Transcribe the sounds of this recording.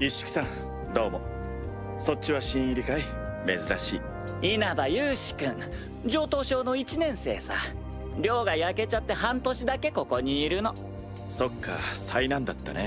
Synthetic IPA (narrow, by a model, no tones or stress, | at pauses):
iɕi̥kʲi̥sãŋ | d̪o̞ːmo | so̞t͡ɕːiβaɕĩɰ̃iɾʲikai | me̞zɨɾaɕḭː | inabajɯːɕi̥kɯ̟̃ŋ | d͡ʑo̞ːt̪o̞ːɕo̞ːno̞it͡ɕinẽ̞ɰ̃se̞̰ːsa̰ | ɾʲo̞ːɡajake̞t͡ɕat̪ːe̞hãnt̪o̞ɕid̪ake̞ko̞ko̞ɲ̟iːɾɯ̟no̞ | so̞kʰːa̰sainãnd̪at̪ːa̰ne